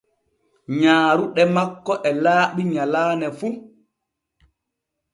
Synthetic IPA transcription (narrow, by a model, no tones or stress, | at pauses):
ɲaːɾuɗɛmakːɔʔɛlaːɓiɲalaːnɛfu